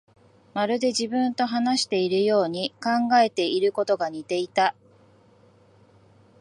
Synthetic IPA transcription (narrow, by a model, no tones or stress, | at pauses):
maɾɯ̟d̪e̞ʑibɯ̟̃nt̪o̞ɦanaɕi̥t̪e̞iɾɯ̟jo̞ːɲ̟ikãŋɡae̞t̪e̞iɾɯ̟ko̞t̪o̞ɡaɲ̟it̪e̞it̪a